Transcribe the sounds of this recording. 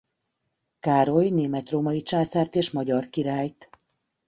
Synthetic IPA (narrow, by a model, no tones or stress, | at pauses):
kaːɾo̞jneːmɛt̪roːmɒit͡ʃaːsaːrt̪eːʃmɒɟɒrkiɾaːjt̪